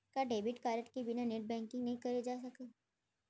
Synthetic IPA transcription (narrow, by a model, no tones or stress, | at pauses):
kaɖeːbɪʈkaːɾəʈkibɪnaneʈ̚bɛ̃ːŋkɪ̃ŋɡnɐɦĩkɐɾed͡ʒaːs̬ɐke